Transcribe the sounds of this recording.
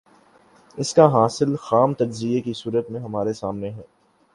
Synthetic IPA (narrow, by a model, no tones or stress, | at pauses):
ɪskaɦaːsɪlxaːmt̪ɐd͡ʒzijekisuːɾət̪mẽɦɐmaːɾesaːmneɦɛː